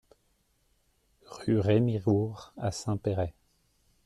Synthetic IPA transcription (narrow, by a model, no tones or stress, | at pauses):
ʁyʁemiʁuʁa̰sɛ̃peʁɛ